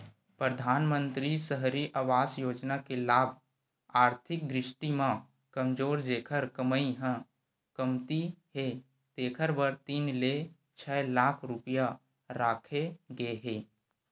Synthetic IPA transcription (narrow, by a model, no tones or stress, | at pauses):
pɾəd̪ʱaːnmə̃nt̪ɾisəɦɾiʔaʋaːsjoːd͡ʒnakelaːbʱ | aːɾt̪ʰɪk̚d̪ɾɪʃʈimã | kəmd͡ʒoːɾd͡ʒeːkʰəɾkəməiɦə̃ | kəmt̪iɦe | t̪eːkʰəɾbəɾt̪iːnle | t͡ʃʰɛːlaːkʰɾʊpija | ɾaːkʰeɡəeɦeː